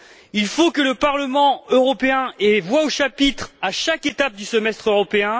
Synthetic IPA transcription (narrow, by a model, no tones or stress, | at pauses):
ilfokələpaʁləmɑ̃øʁɔpeɛ̃evwaoʃapit̪χaʃaket̪ap̚d̪ysəmɛst̪χøʁɔpeɛ̃